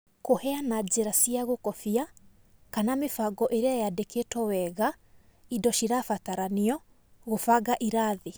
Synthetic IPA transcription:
kohɛanad͡ʑeɾasiaɣokɔfia | kanamefaɡɔʔeɾeajadeketɔwɛɣa | idɔʃiɾafataɾaniɔ | ɣofaɡaʔiɾaðe

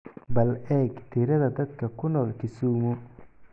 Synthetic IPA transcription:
bɐlɛːɡt̪ʰɪɾɐðɐd̪ɐd̪̚kʰɐkʰʊnɔːlkʰɪsuːmʊ

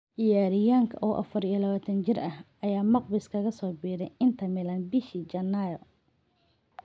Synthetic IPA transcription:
ʔɪjaːɾɪjaːŋkʰɐʔɔːʔɐ̰fɐɾiːɐlɐβaːt̪ʰɐnt͡ʃɪrʔɐh | ɐjaːmɑqbɪskʰɐɣɐsɔːbiːɾɛjɪnt̪ʰɐmɪlɐnbɪʃiːd͡ʒɐnːajɔ

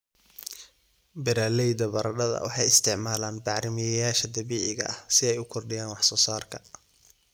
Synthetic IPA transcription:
bɪɾaːlɛjd̪ɐbɐɾɐɖɐðɐ̰wɑ̰ħɑjɪst̪ʰɪʕmaːlaːnbɑʕɾɪmɪjɛjaːʃɐd̪ɐβiːʕɪɣɐ̰ʔɐhsɪɛjʊkʰɔrɖɪjaːnwɑħsɔːsaːrkʰɐ

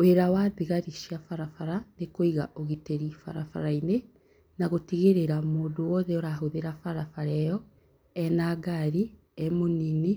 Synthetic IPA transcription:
oeɾawaðiɣaɾiʃiafaɾafaɾanekoiɣa̰ʔoɣiteɾifa̰ɾafa̰ɾaine | naɣotiɣeɾeɾamoːdowɔðɛoɾaɦoðeɾafaɾafaɾɛjɔ | ɛnaɡaɾi | ɛmonini

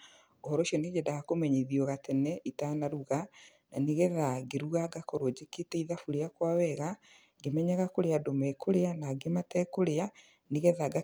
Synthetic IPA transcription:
ohɔɾoʃiɔned͡ʒedaɣakomɛɲeðiɔɣatɛnɛʔitanaɾuɣa | na̰neɣɛðaɡeɾuɣaɡakoɾod͡ʑeketɛiðafuɾeakwawɛɣa | ɡemɛɲɛɣakoɾeadomɛkoɾeanaɡematɛkoɾea | neɣɛðaɡa

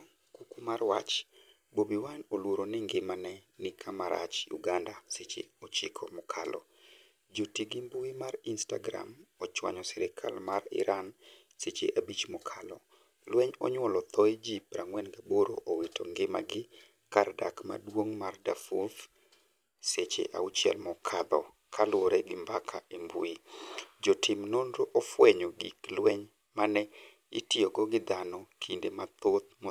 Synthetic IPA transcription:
kukumarwa̰t͡ʃ | bobiwanolwoɾonɪŋɡɪmanɛnɪkʰamaɾa̰t͡ʃjṵɡandaset͡ʃḛot͡ʃɪkʰɔmɔkʰalʔɔ̰ | d͡ʒotiɡimbuimarinsta̰ɡɾa̰mɔt͡ʃwa̰ɲɔsɛɾɪkʰa̰lmarɪ̰ɾan | set͡ʃḛʔabit͡ʃmɔkʰalɔ | lwɛɲɔɲwɔlɔt̪ʰɔid͡ʒipɾaŋwɛnɡaboɾo̰ʔowetʰɔ̰ŋɡɪma̰ɡɪ | karda̰kma̰dwoŋmardafof | set͡ʃḛʔa̰ut͡ʃjɛ̰lmɔkʰad̪ɔ̰ | kʰalwoɾɛɡɪmbakʰa̰embṵid͡ʒɔtʰɪmnondoʔɔfwɛɲɔɡḭklwɛɲ | manɛ | ɪ̰tioɡɔɡɪd̪anɔkʰindemat̪ot̪̚mo

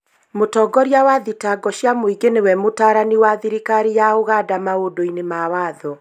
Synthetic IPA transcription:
motɔːɡɔɾjawaðitaɡɔɕjamoiɡenewɛmotaːɾaniwaðiɾikaɾijaoɣadamaodoinemawaːðɔ

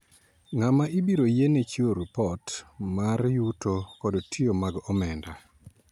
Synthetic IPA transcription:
ŋamaʔibiɾojenet͡ʃioɾipɔtmaɾjutokɔdɔtʰiomaɡɔmɛnda

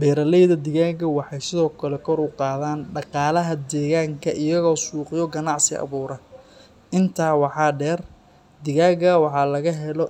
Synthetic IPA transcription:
bɛːɾɐlɛjðɐd̪ɪɣaːɣɐwɑħɑjsɪðɔːkʰɐlɛkʰɔɾʊqɑːðaːnɖɑqɑːlɐɦɐd̪ɛːɣaːŋkʰɐʔɪjɐɣɔːsuːqɪjɔɡɐnɑʕsɪ̰ɑ̰βuːɾɐ | ʔɪnt̪ʰaːwɑħɑːɖɛːr | d̪ɪɣaːɡɐwɑħɑːlɐɣɐɦɛlɔ

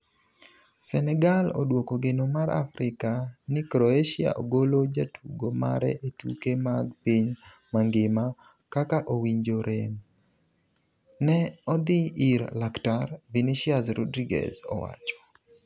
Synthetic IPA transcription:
sɛnɛɡalo̰dwokoɡenomaɾa̰fɾɪkanɪkɾoeʃia̰ʔoɡolod͡ʒatʰuɡoma̰ɾɛ̰ʔetukemaɡpiɲ | maŋɡɪma | kakaʔowiɲd͡ʒoɾʔem | nɛɔd̪ɪiɾlaktarviniʃiazɾɔ̰dɾiɡɛ̰zɔ̰wa̰t͡ʃɔ̥

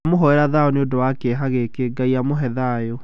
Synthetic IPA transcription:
moɦɔɛɾaðaɔneodowakeɦaɣekeɡaiamoɦɛðajo

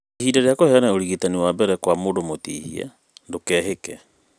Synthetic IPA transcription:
ehiːdaɾeakohɛanaoɾiɣitaniwabɛɾɛkwamodomotiːhḭa̰ | ndokɛːɦekɛ

